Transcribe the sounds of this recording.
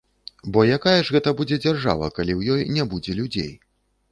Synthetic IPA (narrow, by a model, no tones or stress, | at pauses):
bɔjakajɐʐɣɛt̪ɐbud͡zʲɛd͡zʲarʐa̰vɐ̰kalʲiwjɔjnʲɛbud͡zʲɛlʲud͡zʲḛj